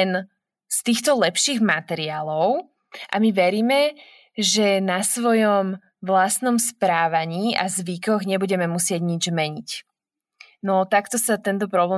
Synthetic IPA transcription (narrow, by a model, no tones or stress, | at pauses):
n | st̪iːxt̪ɔlɛpʃiːɣmat̪ɛɾiaːlɔʊ | ʔa̰miʋɛɾiːmɛ | ʒɛnasʋɔjɔm | ʋlasnɔmspɾaːʋaɲiːazʋikɔɣɲɛbuɟɛmɛmusɪɛɟɲid͡ʒmɛɲic | nɔt̪akt̪ɔsat̪ɛnt̪ɔpɾɔblɛː